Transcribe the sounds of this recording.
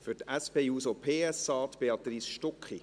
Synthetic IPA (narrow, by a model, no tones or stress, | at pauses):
fʏɾtæspeːuːsopʰeːɛsɑːt̪peɑt̪risʃtɔkχi